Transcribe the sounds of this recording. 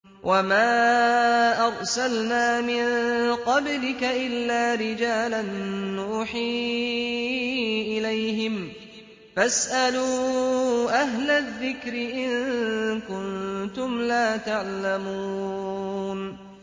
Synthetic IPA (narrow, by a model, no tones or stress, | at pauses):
wʔamaː | ʔɑɾˤsalnaːmɪnqɑblɪkaʔɪlːaːɾɪd͡ʒaːlanːuːħiː | ʔɪlajɦɪm | fasʔaluː | ʔaɦlaðːɪkɾɪʔɪnkʊnt̪ʊmlaːt̪aʕlamuː | n